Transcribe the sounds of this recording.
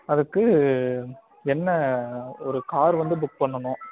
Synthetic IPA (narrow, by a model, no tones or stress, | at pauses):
ɐðɯkːɯ | ɛnːɐɔɾɯkaːɾʋɐnd̪ɯbʊk̚pɐɳːɐnʊ̃ː